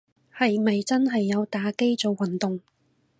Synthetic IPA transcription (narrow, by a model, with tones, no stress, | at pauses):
hɐ˨jmɐ˨jt͡sɐ˥nɦɐ˨jːɐ˨˧wt̪aː˨˥ke˥jt͡so˨wːɐ˨nt̪ʊ˨ŋ